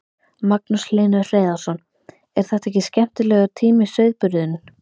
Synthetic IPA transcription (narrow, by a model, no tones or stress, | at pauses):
maknusleːnʏr̥eːjðḁsɔn | ɛɾ̥θɛht̪aɛhcːɪscɛm̥t̪ɪlɛːɣat̪ʰiːmɪsœɥðpʏɾðʏnʏ